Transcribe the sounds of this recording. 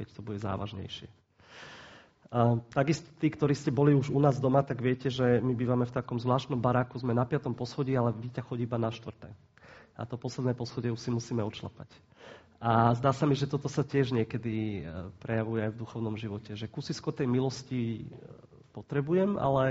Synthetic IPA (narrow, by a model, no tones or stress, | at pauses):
kɛct̪ɔbuɟɛza̰ːʋa̰ʒɲɛ̰jʃɪɛ | t̪aɡist̪ɔ̥t̪iːkt̪ɔɾiːscɛbɔliuʒunaːzd̪ɔmat̪aɡʋɪɛcɛʒɛmibiːʋamɛft̪akɔmzʋlaːʃt̪nɔmbaɾaːkuzmɛnapɪat̪ɔmpɔsxɔɟiːalɛʋicaxɔɟibanaʃt̪ʋr̩t̪ɛ̰ː | a̰t̪ɔpɔslɛd̪nɛːpɔsxɔɟɛuʃsimusiːmɛɔt͡ʃla̰pa̰c | ʔazd̪aːsamiʒɛt̪ɔt̪ɔsacɪɛʒɲɪɛkɛd̪ipɾɛjaʋujɛajvd̪uxɔʊnɔmʒiʋɔcɛʒɛkusiskɔt̪ɛjmilɔsci | pɔt̪ɾɛbujɛma̰lɛ